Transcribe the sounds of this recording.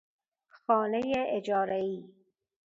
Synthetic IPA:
xɒːnejeʔed͡ʒɒːɾæiː

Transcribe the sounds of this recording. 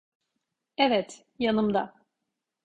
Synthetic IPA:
ɛvɛt̪ | janɯmd̪a̰

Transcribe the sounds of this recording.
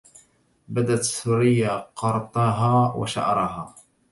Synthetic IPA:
bad̪at̪suːɾɪjːaqɑɾˤt̪ˤɑɦaːwa̰ʃa̰ʔɑɾˤɑɦaː

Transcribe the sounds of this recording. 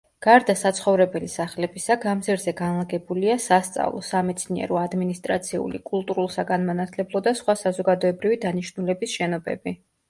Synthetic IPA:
ɡ̥aɾd̪asat̪sʰχɔvɾɛbɛlisaχlɛbisaɡamzɛɾzɛɡanlˠaɡɛbuliasast̪sʼa̰vlˠɔ̰samɛt̪sʰniɛ̰ɾɔad̪minist̪ʼɾat̪sʰiṵlḭkʼulˠt̪ʼuɾulˠsaɡanmanat̪ʰlɛblˠɔd̪asχwasazɔɡad̪ɔɛbɾivid̪aniʃnulɛbisʃɛnɔbɛ̰bi

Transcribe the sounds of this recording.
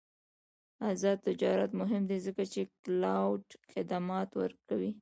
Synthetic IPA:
azɑd̪̚t̪ːɪd͡ʒɑɾat̪mʊɦɪmd̪ezəkat͡ʃeklawɖxɪd̪amɑt̪wə̰ɾkawi

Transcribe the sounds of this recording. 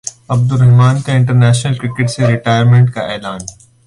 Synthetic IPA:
ɐb̚d̪ʊɾɛɦmaːnkeɪ̃ɳʈəɾnɛːʃnəlkɾɪkɪʈseɾɪʈaːɪjəɾmẽːɳʈkaʔɛːlaːn

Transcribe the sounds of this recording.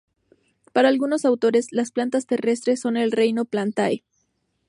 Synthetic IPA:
paɾalɡuno̞sawt̪o̞ɾe̞slasplant̪ast̪e̞re̞st̪ɾe̞so̞ne̞lre̞jno̞plant̪ae

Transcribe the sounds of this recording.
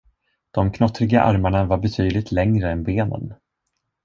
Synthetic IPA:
d̪̥ɔmkʰnɔt̪ːɾɪɡaʔa̰ɾmaɳavaɾbɛt̪ʰyːd̪lɪt̪ʰlɛŋɾəɛnbeːnə̰n

